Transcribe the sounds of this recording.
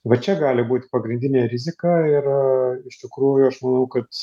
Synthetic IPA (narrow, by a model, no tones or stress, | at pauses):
ʋɐt͡ʃʲɛɡɑːlʲɪbuːt̪ʲɪpɐɡɾʲɪnʲd̪ʲɪnʲeːɾʲɪzʲɪkɐɪrɪʃʲt̪ʲɪkɾuːjʊɐʃmɐnɐʊkɐt̪